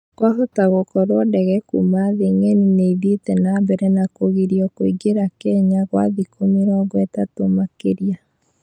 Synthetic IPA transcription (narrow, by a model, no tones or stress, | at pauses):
kwaɦotaɣokɔɾwɔdɛɣɛkṵmaðeŋɛnineiðitɛnabɛɾɛnakoɣeɾiɔkoiɡeɾakɛɲaɣwa̰ðikʰomiɾɛɔɣwɛtatomakeɾia